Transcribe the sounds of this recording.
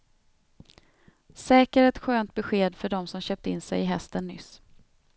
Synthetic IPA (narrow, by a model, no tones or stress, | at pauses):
sɛːkəɾɛt̪ɧøːnt̪̚bɛɧeːd̪fœɖɔmsɔmɕøːp̚t̪əɪnːsɛ̰jɪɦɛst̪ənːʏ̰s